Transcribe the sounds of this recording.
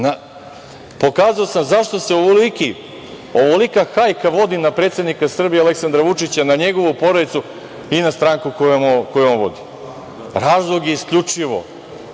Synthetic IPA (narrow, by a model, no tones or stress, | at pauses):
na | po̞kaːzaosamzaʃt̪o̞se̞oʋoliki | oʋolikaxajkaʋo̞d̪inapɾet̪se̞d̪nikasr̩bieale̞ksand̪ɾaʋut͡ʂit͡ɕanaɲe̞ɡo̞ʋupo̞ɾad̪it̪su | inast̪ɾaːŋkukojomkojuonʋo̞̰d̪i | ɾaːzlˠoɡjeiskʎut͡ʂiʋo̰